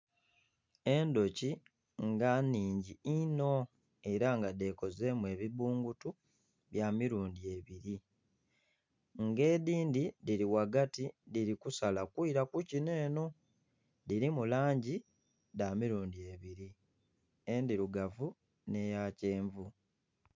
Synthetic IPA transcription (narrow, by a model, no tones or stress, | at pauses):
e̞ndo̞ci | ŋɡaniːɲɟiino̞ | e̞ɾaŋɡade̞ko̞ze̞mue̞ːβiβuːŋɡutu | βjamiɾuːndie̞βiɾi | ŋɡe̞ːdiːndidiɾiwaɡatidiɾikusalakiɾakucine̞ːno̞ | diɾimulaːɲɟi | daːmiɾuːndie̞βiɾi | endiɾuɡavu | ne̞jace̞ːɱvu